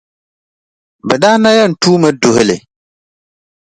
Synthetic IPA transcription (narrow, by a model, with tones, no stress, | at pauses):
bɛ˨da˦na˦jɛ˦˨n̩˨tuː˦mə˦du˨hɪ˨le˨